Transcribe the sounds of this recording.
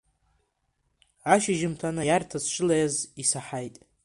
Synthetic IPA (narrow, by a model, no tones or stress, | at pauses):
aʃɪʒɪmtʰanajartʰazʃʷʰʼɪlajazisaħajtʼ